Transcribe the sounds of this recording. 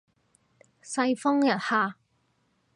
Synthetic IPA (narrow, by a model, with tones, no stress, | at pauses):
sɐ˧jfɔ˥ŋjɐ˨t̚haː˨˧